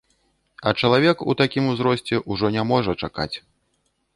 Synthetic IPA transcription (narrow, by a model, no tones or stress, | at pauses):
ɐt͡ʂɐlˠavʲɛkṵt̪akʲimuzɾɔsʲt͡sʲɛʔuʐɔnʲamɔʐɐt͡ʂaka̰t͡sʲ